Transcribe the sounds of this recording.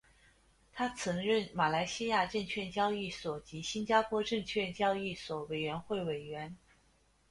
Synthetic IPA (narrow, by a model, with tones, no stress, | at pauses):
t̪ʰa˥t͡sʰɤ˧˥ŋɻə˥˩nma˨˩la˧˥ɪɕi˥ja˥˧ʈ͡ʂə˥˧ŋt͡ɕʰɥɛ˥˧nt͡ɕjɑ˥˧ʊi˥˩swɔ˨˩t͡ɕi˧˥ɕi˥nt͡ɕja˥pʰwɔ˥ʈ͡ʂɤ˥˧ŋt͡ɕʰɥɛ˥˧nt͡ɕjɑ˥˧ʊi˥˩swɔ˨˩we˨˩ɪɥɛ˧˥nxwe˥˩ɪwe˨˩ɪɥɛ˧˥n